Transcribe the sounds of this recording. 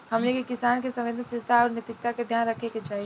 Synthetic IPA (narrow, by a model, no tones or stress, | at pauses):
ɦɐmlekekɪsaːnkesɐ̃ʋẽnsɪt̪aɔɾnjet̪ɪk̚t̪aked̪ʱjaːnɾəkʰeket͡ʃaːɦie